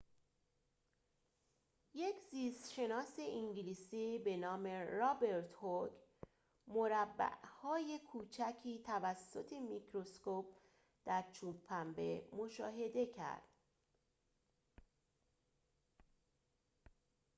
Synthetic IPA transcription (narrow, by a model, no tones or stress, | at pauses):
je̞cʰziːst̪ʃe̞nɒːse̞ʔiŋɟiliːsiːbe̞nɒːme̞ɾɒːbe̞ɾt̪ʰhok | mo̞ɾæbːæ̰ʔhɒːje̞kʰuːt͡ʃʰæcʰiːt̪ʰævæsːo̞t̪ʰe̞mikʰɾo̞skop̚ | d̪̥æɾt͡ʃʰuːbʰæmbe̞mo̞ʃɒːɦe̞d̪e̞cʰæ̰ɾd̪̥